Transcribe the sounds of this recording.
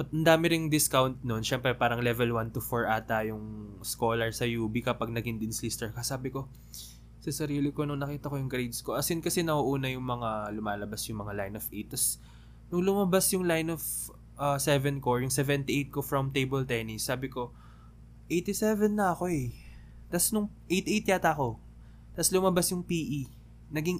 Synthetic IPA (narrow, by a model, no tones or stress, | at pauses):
pɐt̪̚ʔɐnd̪aːmɪɾɪŋd̪ɪskawnt̪̚nonʃɛmpɾɛpaːɾɐŋlɛvɛlwant̪ʊfoɹʔaːt̪ɐjʊŋsko̞ːlɐɹsɐjuːbikɐpɐɡ̚nɐɡɪnd̪ɪnslist̪ɛɹkɐsaːbɪko̞ | sɐsɐɾiːlɪko̞nʊŋnɐkiːt̪ɐko̞jʊŋɡɾejd̪sko̞ʔɐsɪnkɐsɛnɐhuʔuːnɐjʊŋmɐŋalʊmaːlɐbasjʊŋmɐŋalajnovʔejt̪ːɐs | nʊŋlʊmɐbasjʊŋlajnov | ʔɐsɛvɛnkojʊŋsɛvɛnt̪ɪʔejt̪̚ko̞fɹɐmt̪ejbɛlt̪ɛnɪsːaːbɪko̞ | ʔejt̪ɪsɛvɛnːɐɐko̞ɛ | t̪ɐsnʊŋ | ʔejt̪ʔejt̪̚jaːt̪ɐko̞ | t̪ɐslʊmɐbasjʊŋpiːʔi | nɐɡiŋ